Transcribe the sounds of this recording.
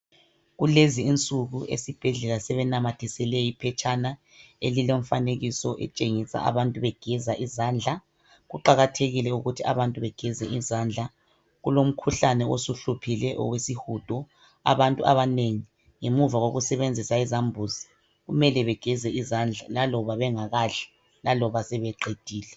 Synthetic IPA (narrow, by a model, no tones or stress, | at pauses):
ɣuleziːnt͡sʼuɣuʔḛsib̥ʱɛɮɛlasɛβɛnamatʰisɛlɛjipʰɛt͡ʃʰʼana | eliloɱfaneɣisɔʔɛ̰t͡ʃʼeŋisa̰ʔa̰βantʼuβɛɡ̥ʱɛzaʔizaːnd͡ɮʱa | ɣuǃaɣatʰeɣilɛuɣutʰia̰βantʼuβɛɡ̥ʱɛzɛizand͡ɮʱa | ɣulom̩kʰuɬanɛosuɬupʰilɛʔɔ̰wesihud̥ʱɔ | a̰βantʼua̰βaneŋi | ŋemuvaɣoɣusɛβend͡zʱisaizambʱuzi | ɣumɛlɛβɛɡ̥ʱɛzɛizand͡ɮʱalalɔβaβɛŋaɣaɬɛ̥ | lalɔβasɛβɛǃed̥ʱiːlɛ